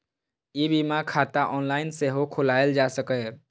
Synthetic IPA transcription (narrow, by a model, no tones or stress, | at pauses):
ibimakʰat̪aʔɔnlaɪnseɦokʰʊlaeld͡ʒasəkɛ